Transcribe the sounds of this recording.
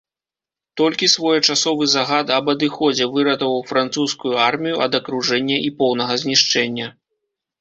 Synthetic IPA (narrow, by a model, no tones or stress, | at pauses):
t̪ɔlʲkʲisvɔjɐt͡ʂasɔvɨzaɣat̪ɐbɐd̪ɨxɔd͡zʲɛvɨɾɐt̪ɐvɐwfɾant̪suskujuarmʲijuʔɐ̰d̪ɐkɾuʐɛnʲːɐʔipɔwnɐɣɐzʲnʲiʂt͡ʂɛnʲːɐ